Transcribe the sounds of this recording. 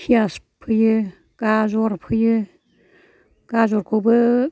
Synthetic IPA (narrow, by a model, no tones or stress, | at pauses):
hʰias | pʰɯjɯ | ɡ̥azɔɾpʰɯjɯ | ɡ̥azɔɾkʰobɯ